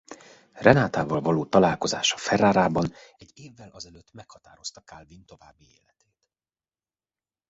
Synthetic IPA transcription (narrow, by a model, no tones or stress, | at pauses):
rɛnaːt̪aːvɒlvɒloːt̪ɒlaːlko̞za̰ːʃɒ̥fɛraːɾaːbɒnɛɟːeːvːɛlʔɒzɛløt̪ːmɛkhɒt̪aːɾo̞st̪ɒkaːlvint̪o̞vaːbːiḛːlɛt̪eːt̪